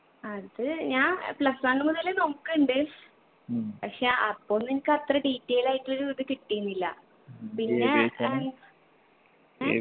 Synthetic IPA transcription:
ɐðɨɲaːnplɐsaːɳːɨmuðɐlenomukːɨuɳɖɨ | pɐkʂeɐpːo̞ːɭninikʲːɨɐt̪rɐɖiːtːeːjilaːjiʈːɨloɾuiðɨkiʈːijunːilːɐ̰ | pinːe

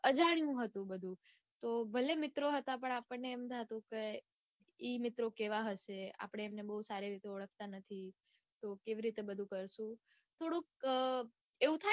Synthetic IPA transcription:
əd͡ʒaɽ̃ijũɦət̪ũbəd̪ʱũ | t̪obʱəlemɪt̪ɾoɦət̪ap̬əɳ̃apəɳneːmd̪ʱat̪ũke | imɪt̪ɾokeʋaɦəʃea̰pəɽ̃eːmnebəɦusaɾiɾit̪eəɭəkʰt̪anət̪ʰi | t̪okeʋiɾit̪ebəd̪ʱũkəɾʃũ | t̪ʰoɽok̚ | eũt̪ʰa

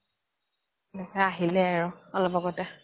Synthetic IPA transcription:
aɦilɛɛɹɔɔlɔbɔɡɔtɛ

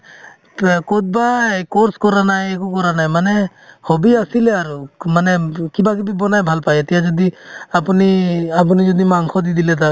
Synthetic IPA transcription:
kɔt̪̚bakɔɾskɔɾanajɛkɔkɔɾanajmanɛ | hɔbiasilɛaɾumanɛkibakibibɔnajbʱalpajɛt̪ijad͡ʒɔd̪iapuniap̬unid͡ʒɔd̪imaŋkʰɔd̪id̪ilɛt̪a

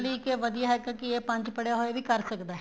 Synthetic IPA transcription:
liːkeʋəd̪ijaːɦɛːkãkieːpə̃ɲt͡ʃpəɽjaːɦoeːʋiːkəɾsəkd̪aɦɛ

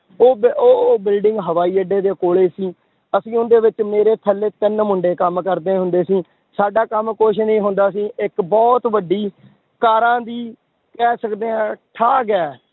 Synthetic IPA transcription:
oːboːbɪlɖɪŋɡɦəʋaːiːəɖeːd̪eːkoːɭeːsĩː | əsĩːʊnd̪eːʋɪt͡ʃmeːɾeːt̪ʰəlːeːt̪ɪnmʊɳɖeːkəmkəɾd̪eːɦʊnd̪eːsĩː | saːɖaːkəmkoʃnĩːɦʊ̃nd̪aːs̬ĩːɪkbɔːt̪ʋəɖiː | kaːɾãːd̪iː | kɛːsəkd̪eːãːʈʰaːɡɛː

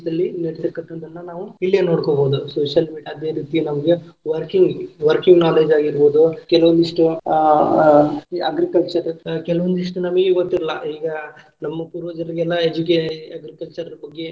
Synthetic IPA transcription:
d̪ɐlːiniɽt̪ekːɐʈːɐnd̪ɐnːɐnaːʋuilːeno̞ːɽkoːboːd̪usoːʂjɐlmiːɖijaːɐd̪e̞ɾiːt̪ijenɐmɐɡeʋɐɾkiŋɡʋɐɾkiŋɡnaːle̞ːd͡ʒaːɡiɾboːd̪ukɛlɐʋond̪iʂʈu | ɐɡɾikɐlt͡ʃɐɾɐkɛlɐʋond̪uiʂʈunɐmɐɡeiʋɐt̪ːiɾɐlːɐ̰iːɡɐ | nɐmːɐpuːɾʋɐd͡ʒɐɾiɡɛlːɐed͡ʒukeɐɡɾikɐlt͡ʃɐɾɐɾɐbɐɡːe̞

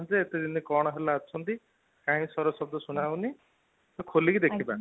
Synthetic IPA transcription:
d͡zeet̪ed͡ʒinikɔɽ̃ɔɦelaɔt͡ʃʰɔnt̪i | kãĩsɔɾɔsɔb̚d̪ɔsuɽ̃awni | ɔkʰolikid̪ekʰibã

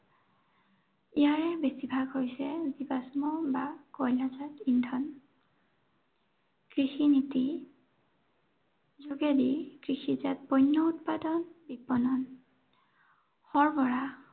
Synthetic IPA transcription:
ijaɹɛbesibʱaɡɦojsɛzibasmɔbakɔjlazatindʱɔn | kɹixiniti | zuɡedikɹixizat̚bɔjnːɔutpadɔnbipːɔnɔn | hɔɹbɔɹa

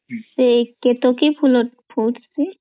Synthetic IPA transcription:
seket̪okibʱulopʰuʈse

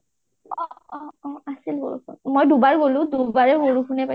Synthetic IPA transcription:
ɔɔ̃ɔ̃asilɡo̰ɹṵkunmojdubaɹɡolʊ̃dubaɹɛɡoɹukʰunɛpa

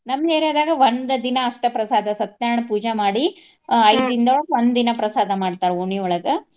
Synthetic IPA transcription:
nɐmɡeːɾoːd̪aːɡɐʋond̪ɐd̪inɐːʂʈɐpɾɐsaːd̪ʱɐsɐt̪jaːɾɐɳɐpuːd͡ʒɐmaːɽi | ɐjd̪ind̪ɐɔɭɐɡɐʋond̪d̪inɐpɾɐsaːd̪ʱɐmaːɽt̪aːɾeoɳiɔɭɐɡe

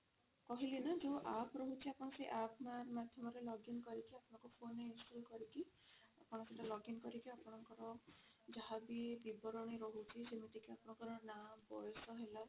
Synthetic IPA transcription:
kɔɦilenad͡ʒuʔapʰɾɔɦut͡ʃʰiapɔñɔseʔapʰɔnaɾmad̪ʱjɔmɔɾelɔɡinkɔɾikiapɔnɔŋkupʰoneinsʈɔlkɔɾiki | apɔɽ̃ɔ̃siʈalɔɡinkɔɾikiapɔɽ̃ɔŋkɔɾɔ | d͡ʒaɦabibibɔɾɔɽ̃iɾɔɦut͡ʃʰisemiʈikiapɔɽ̃ɔŋkɔɾɔnabɔjɔsɔɦela

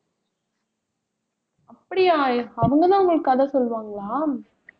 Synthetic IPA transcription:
ɐpːɐɽɪjaːjɐʋɐŋɡɐðãːʊŋɡɐɭɯkːɐðɐsɔlʋaːŋɡɐɭaːm

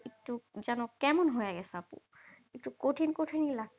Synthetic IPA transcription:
itːuzanɔkɛmɔnɦɔjaɡɛsapṵ | itukotʰinkotʰinila

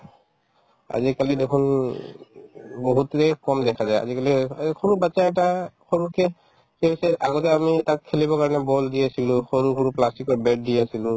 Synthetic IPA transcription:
a̰zikalid̪ekʰun | boɦut̪ːɛkɔmd̪ɛkʰazaja̰zikalixoɹubat͡ʃaɛk̚ʈaxoɹukʰɛ | kbisɛaɡɔt̪ɛamitakʰːelibɔkaɹɔnɛbɔldijasilʊxoɹuxoɹuplastikɔɹbɛd̚dijasilʊ

